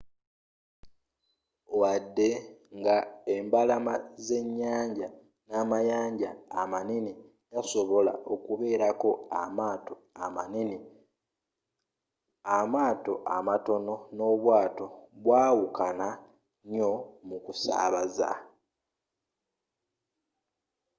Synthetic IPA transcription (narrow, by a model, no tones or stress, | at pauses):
wadːe̞ŋɡae̞mbalamaze̞ɲːaːɲɟa | namajaːɲɟaːmanini | ɡaso̞βo̞la̰ʔo̞kuβe̞ːɾako̞amaːto | anini | amaːto̞ʔa̰mato̞no̞no̞βwaːto̞βwaːwukana | ɲo̞mukusa̰ːβaza̰